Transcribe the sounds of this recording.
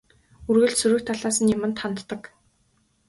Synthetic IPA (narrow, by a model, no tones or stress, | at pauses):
urɣɘ̆ɮsuɾɵ̆kt̪ʰːaɮaːsə̆njamɘ̆nt̪ʰχant̪ːə̆k